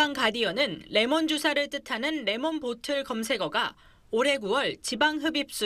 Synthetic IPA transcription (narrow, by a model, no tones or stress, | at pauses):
aŋkadiʌnɯnːe̞mʌnd͡ʑosʰaɾɯɭt͈ɯtʰanɯnːe̞mʌnpotʰɯɭkʌmsʰe̞ɡʌɡa | oɾe̞kuwʌɭt͡ɕibaŋɦɯbip̚s͈u